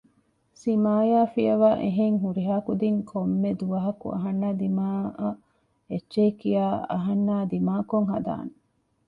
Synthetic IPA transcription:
simaːjaːfijɐʋaːʔeɦeŋɦuɾiɦaːkud̪iŋkʰomːed̪uʋɐɦɐkṵʔɐ̰ɦɐnːaːd̪imaːɐ | etːʃekijaːɐ̰ɦɐnːaːd̪imaːkoŋɦɐd̪a̰ːne

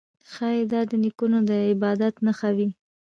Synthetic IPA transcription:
xɑjed̪ɑd̪ənikunod̪əɪbɑd̪at̪naxawi

